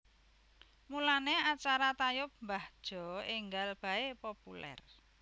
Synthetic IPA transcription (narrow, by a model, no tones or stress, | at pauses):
mulaneat͡ʃaɾat̪ajʊp̚mbahd̥ʒ̥ɔɪŋɡalb̥a̤epopulɛ̰r